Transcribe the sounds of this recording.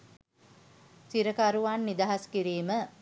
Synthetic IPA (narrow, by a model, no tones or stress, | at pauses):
siɾəkaɾuʋaːnːid̪aɦaskiɾiːmə